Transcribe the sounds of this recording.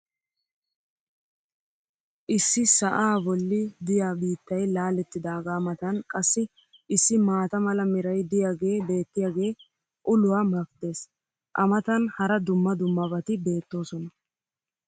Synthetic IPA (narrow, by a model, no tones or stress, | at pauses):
ʔɪsːɪsɐʔaːbɔlːɪd̪ɪjaːbiːt̪ːɐjlaːlɛt̪ːɪd̪aːɡaːmɐt̪ɐnkʼɐsːɪ | ɪsːɪmaːt̪ɐmɐlɐmɪɾɐjd̪ɪjaːɡe̞ːbe̞ːt̪ːɪjaːɡe̞ː | ʔʊlʊwaːmɐkd̪e̞ːs | ʔɐmɐt̪ɐnhɐɾɐd̪ʊmːɐd̪ʊmːɐbɐt̪ɪbe̞ːt̪ːo̞ːsɔnɐ